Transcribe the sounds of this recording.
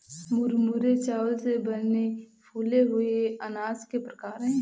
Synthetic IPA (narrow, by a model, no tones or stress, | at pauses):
mʊɾmuɾet͡ʃaːʋəlsebɐɾnepʰuːleɦʊeɐnaːzkepɾəkaːɾɦɛ̃ː